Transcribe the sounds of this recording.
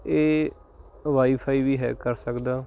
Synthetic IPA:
eː | ʋaːiːpʰaːiːʋiːɦɛ̰ːkəɾsəkd̪aː

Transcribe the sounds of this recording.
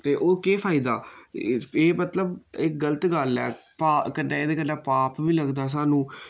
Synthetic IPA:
t̪eːʔoːkeːpʰaːɪid̪aː | eːmət̪ləbɪkɡələt̪ɡəlɛːpakəɖaːeːd̪eːkəɖaːpaːpʋiːləɡd̪aːs̬aːnũː

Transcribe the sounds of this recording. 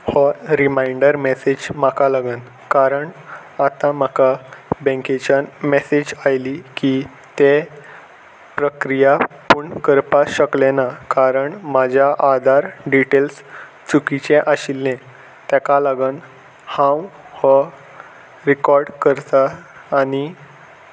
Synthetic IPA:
hɔɾimajɳɖəɾmesed͡ʑmakalaɡən | kaɾəɳ | at̪ãmakabɛ̃ŋket͡ɕamesed͡ʑajliki | t̪e | pɾəkɾijapuɳkəɾpaɕəklenakaɾəɳmad͡ʑʱjaʔad̪ʱaɾɖiʈels | t͡sukit͡ɕeʔaɕilːẽ | t̪ɛkalaɡən | hãw | hə | ɾikɔɾɖkəɾt̪aːni

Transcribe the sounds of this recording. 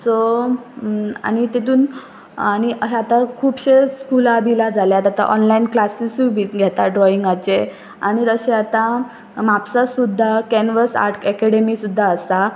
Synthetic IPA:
so | a̰ñit̪et̪̬uːn | añiɦɛat̪akʰuːpɕeskulabʱilad͡zʱaljat̪at̪a̰ʔɔnlainklasisubʱiɡʱɛt̪aɖɾɔiŋɡat͡se | añit̪əɕeat̪a | mapsasud̪ʱːakɛnʋəsa̰ɾʈkɛkɛɽemisud̪ʱːaəsa

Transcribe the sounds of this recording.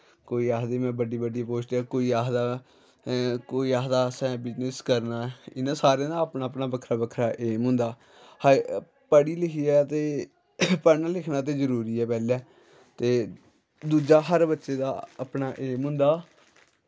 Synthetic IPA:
koːiːaːɦd̪eːmɛ̃ːbəɖiːbəɖipoːʃʈaːkoːiːaːɦd̪aː | koːiːaːɦd̪aːsɛ̃ːbɪd͡ʒnɪskəɾnaːɪnãːsaːɾẽːd̪aːəpnaːəpnaːbəkʰɾaːbəkʰɾaːʔeːmɦʊ̃nd̪aː | hə | pəɽiːlɪkʰiːɛːt̪eː | pənalɪkʰnaːt̪̬eːzəɾuːɾiːɛːpɛːlɛː | t̪eː | d̪uːd͡ʒaːɦəɾbətːʃeːd̪aːəpnaːʔeːmɦʊ̃nd̪aː

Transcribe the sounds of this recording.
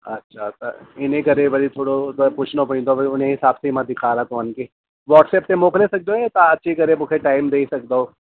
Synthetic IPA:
ɐ̰tːʃʰat̪ːa̰ɪnẽkɐɾebɐɾit̪ʰoːɽopuːt͡ʃʰnopɐĩd̪oɐiʊnẽɦɪsaːbseɪmɐd̪ɪkʰaːɾat̪oːnke | ʋɔːʈsɛːp̚t̪emoːklesɐk̚d̪õet̪aɐtːʃʰiikɐɾebʊkʰeʈaːɪmd̪eːsɐk̚d̪aɦoː

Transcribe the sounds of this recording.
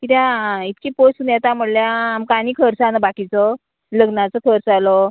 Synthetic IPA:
kit̪jãit̪kipostunjɛt̪am̤əɽljaːmkañiːkʰəɾt͡sanəbakit͡sɔ | ləɡnat͡sɔkʰəɾsalɔ

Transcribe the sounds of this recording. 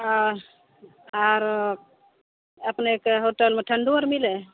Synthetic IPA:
aɾ | əpnekɦoʈəlmeʈʰəɳɖuəɾmile

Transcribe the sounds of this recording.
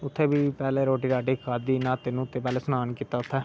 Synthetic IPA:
ʊt̪ʰːeːbiːpɛːleːɾoːʈiːɾaːʈiːkaːd̪iːnãːt̪ːeːnũːʊt̪ʰːeːpɛːleːsənaːnkiːt̪aːʊt̪ʰːɛː

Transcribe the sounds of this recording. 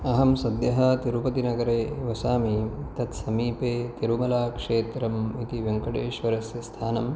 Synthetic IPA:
ɐɦɐmsɐd̪jɐɦɐt̪iɾupɐt̪inɐɡɐɾeːʋɐsaːmit̪ɐt̪sɐmiːpeːt̪iɾumɐlaːkʂeːt̪ɾɐmit̪iʋjɐŋkɐʈeːʃʋɐɾɐsjɐst̪ʰaːnɐm

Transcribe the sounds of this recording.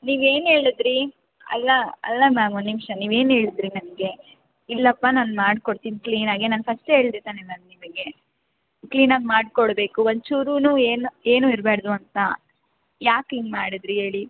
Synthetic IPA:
niːʋe̞ːne̞ːɭid̪ɾi | ɐ̰lːɐɐ̰lːɐmaːmonːnimʂɐniːʋe̞ːnɦe̞ːɭid̪ɾinɐmɡe̞ | ilːɐpːɐnaːnmaːɖkoɽt̪iːnkliːnaːɡenaːnɡfʰɐsʈe̞ːɭd̪eːt̪aːnemɐnnimɐɡe̞ | kliːnaːɡmaːɽkoɽbe̞ːkuond̪t͡ʃuːɾuːnuːeːnue̞ːnuːiɾbeːɽd̪uɐnt̪ɐ | jaːkiːnmaːɽid̪ɾiɦe̞ːɭi

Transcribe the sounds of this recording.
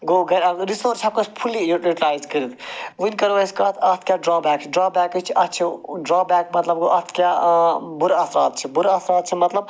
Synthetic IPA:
ɡoːɡʱɐɾɐɾɾisoːɾt͡ʃʰɐːp̚kospʰulijuʈjuʈilaːjzkəɾit̪ʰʋunʲkɐɾʋɐskɐt̪ʰɐt̪ʰkʲjaːɖɾaːbɛːkt͡ʃʰiɖɾaːbɛːkit͡ʃʰiʔɐt̪̚t͡ʃʰiɖɾaːbɛːk̚mɐt̪lɐbɡoʔɐt̪ʰkʲjaːbuɾɐsɾaːt̪̚t͡ʃʰibuɾɐsɾaːt̪̚t͡ʃʰimɐt̪lɐb̚

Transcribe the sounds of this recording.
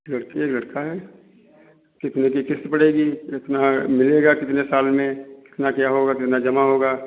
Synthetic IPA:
lɐɽkieːklɐɽkaɦɛː | kɪt̪nek̬ikɪst̪pɐɽeːɡiɪt̪namɪleːɡakɪt̪nesaːlmẽkɪ̥t̪nakjaɦoːɡakɪt̪nad͡ʒɐmaɦoːɡaː

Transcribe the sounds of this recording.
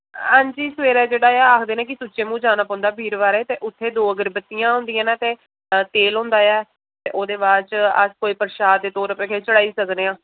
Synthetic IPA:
ɦãːɲd͡ʒiːsʋeːɾɛːd͡ʒeːɽaːjaːaːkʰd̪eːnẽːkɪsuːt͡ʃeːmũːd͡ʒaːnaːpɔ̃ːnd̪aːbʱiːɾʋaːɾeːt̪eːʔʊt̪ʰːeːd̪oːəɡəɾbət̪ːijãːɦʊ̃nd̪ijãːnãːt̪eː | t̪eːlɦõːnd̪aːjɛː | t̪eːʔoːd̪eːʋaːt͡ʃə̰skoːiːpəɾʃaːd̪ːeːt̪oːɾəpẽːkeːt͡ʃəɽaːiːsəkneːãː

